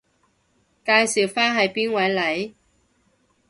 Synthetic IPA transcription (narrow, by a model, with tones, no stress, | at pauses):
kaː˧jsiː˨˩wfaː˥nɦɐ˨jpiː˥nwɐ˨˥jlɐ˨˥j